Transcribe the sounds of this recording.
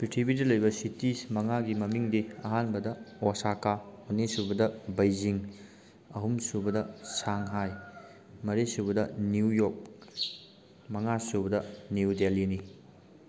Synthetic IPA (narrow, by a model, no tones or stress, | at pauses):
pitʰibidɐlɐjbɐsitismɐŋaɡimɐmiŋdiɐɦanbɐdɐosakaonːisubɐdɐbɐjziŋ | ɐɦumsubɐdɐsaŋɦaj | mɐɾisubɐdɐniujok̚ | mɐŋasubɐdɐniudelini